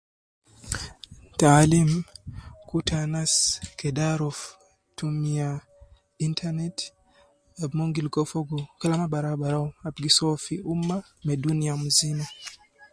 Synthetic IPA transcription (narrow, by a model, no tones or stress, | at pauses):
talim | kutʰanaskɛdaɾɔf | tumia | intʰanɛt | abmoŋɡilkɔfɔɡɔkɛlamabaɾabaɾawabɡisɔfiʔumːa | mɛduniamuzina